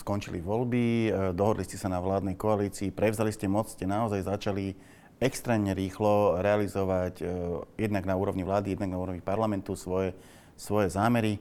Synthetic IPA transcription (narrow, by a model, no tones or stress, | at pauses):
skɔnt͡ʃḭlḭʋɔlbid̪ɔɦɔd̪liscɛsanaʋlaːd̪nɛjkɔaliːt͡siːpɾɛʋʊzaliscɛmɔt͡sscɛnaɔzajzat͡ʃali | ɛkst̪ɾɛːmɲɛɾiːxlɔɾɛalizɔʋacjɛd̪naɡnauːɾɔʋɲiʋlaːd̪ijɛd̪naɡnauːɾɔʋɲipaɾlamɛnt̪usʋɔjɛ | sʋɔjɛzaːmɛɾi